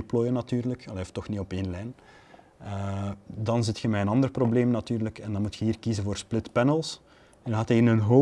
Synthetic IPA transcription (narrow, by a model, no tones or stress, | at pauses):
ploːjənɑtyːrləkɑleɔftɔxniɔpeːnlɛjn | ədɑnzɪtxəmɛjənɑnd̪ərprobleːmnɑtyːrləkɛndɑnmutxəɦiːrkizənvoːrsplɪtpɛnəlˠs | ədnɦaːteənənɦo